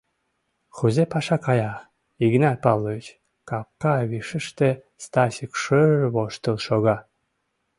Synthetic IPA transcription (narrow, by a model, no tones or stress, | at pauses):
xuzepɑʃɑkɑjɑ | iɡnɑt̪̚pɑllːˠoit͡ɕ | kɑp̚kɑβiʃəʃt̪e | st̪ɑsʲikʃəβoʃt̪əlʃoɣɑ